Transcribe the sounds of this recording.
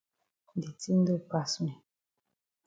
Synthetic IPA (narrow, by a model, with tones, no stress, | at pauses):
di˨ti˦n̩˦do˦pa˨snɛ˨